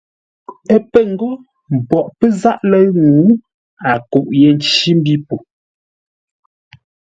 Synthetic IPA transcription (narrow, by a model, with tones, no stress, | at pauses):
ə˦pə˦˨ŋ˨ɡɔ˦ | m̩˨pɔ˨ʔpə˦za˦ʔlɛ˦ŋuː˨˦ | a˨ko˨ʔjɛ˨n̩˨t͡ʃi˦m˦bi˦po˨